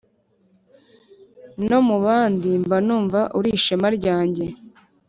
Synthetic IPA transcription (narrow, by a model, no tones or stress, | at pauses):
no̞muβaːndimbanuːɱvaʔuɾiʃamaɾɟaːɲɟe̞